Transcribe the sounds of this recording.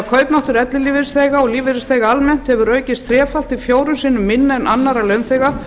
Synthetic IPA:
kʰœːɥpnaht̪ʏɾɛt̪lɪliːvɪɾɪsθejɣaɔɣliːvɪɾɪsθejɣaalmɛn̥t̪hɛvʏɾœːɥcɪst̪θʰɾjɛːfal̥t̪ifjoːwɾʏsiːnʏmːɪnːaɛnʔanːaɾalœɥnθejɣa

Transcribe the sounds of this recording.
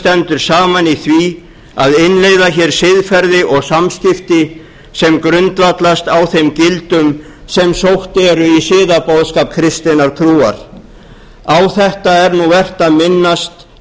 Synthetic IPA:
t̪ɛnt̪ʏɾ̥saːmaniθvi | aðɪnleːjðaçɛɾ̥sɪðfɛɾðɪʔɔɣsamscɪft̪ɪ | sɛmkɾʏnt̪vat̪last̪awθemcɪlt̪ʏm | sɛmsowht̪ɛːɾʏisɪːðapowðskap̚kʰɾɪst̪ɪnaɾt̪ʰɾuːa̰ɾ̥ | awθɛht̪aɛɾnuvɛr̥t̪aðmɪnːast̪

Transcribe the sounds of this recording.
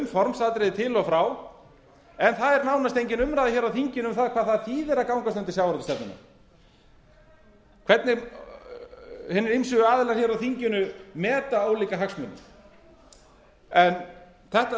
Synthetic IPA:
mfɔɾmsaːt̪ɾɪðɪt̪ʰɪlɔfɾaw | ɛnθaðɛɾnawnast̪ejɲcɪnʏmɾaːðaçɛːɾawθiɲcɪnʏmθaðkʰvaːðθaðθiːðɛɾakawŋkast̪œnt̪ɪsjawvɾɔt̪ɪst̪ɛpnɪna̰ | kʰv̥ɛɾt̪nɪ | hɪːnɪɾɪmsʏʏaːðɪlɛḁçɛːɾawθiɲcɪnʏmɛːt̪aoːwliːkaɦaksmʏnɪ̰ | ɛn | θɛht̪

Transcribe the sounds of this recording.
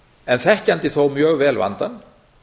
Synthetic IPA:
ɛnθɛhcant̪ɪθowmjœːɣvɛːlva̰nt̪an

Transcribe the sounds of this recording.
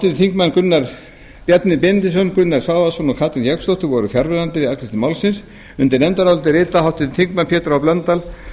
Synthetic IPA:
awt̪ɪðθiŋkmanːkʏnːaɾ | pjɛt̪nɪpɛnt̪ɪsɔnkʏnːaɾ̥svaːasɔnɔkʰaːt̪ɪnjɛkst̪owht̪ʏɾvɔɾʏfjaɾvɛðant̪ɪɪðaknɪst̪ɪmawlsɪns | ʏnt̪ɪɾnɛnt̪aɾawlt̪̬ɪɾɪːt̪aɦawht̪ɪðθiŋk̚manpʰjɛːt̪ɾawplœnt̪al

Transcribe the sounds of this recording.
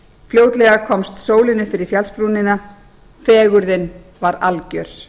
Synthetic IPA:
fljoːwt̪lɛɣakʰɔmst̪soːwlɪnʏfɪɾɪɾ̥fjalspɾuːnɪna | fɛːɣʏɾðɪn | vaɾalcœɾ̥

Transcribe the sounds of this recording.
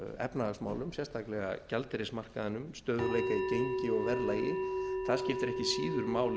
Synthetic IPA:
ɛ̰pnaðasma̰ːwlʏmsjɛst̪ʰaklɛɣa̰calt̪ɪɾesmar̥kaðɪnʏmst̪œːðʏɾleːjkaicejɲcɪɔɣvɛɾlajɪθaðscɪft̪ɪɾɛhcɪsiːðʏɾmaːwl

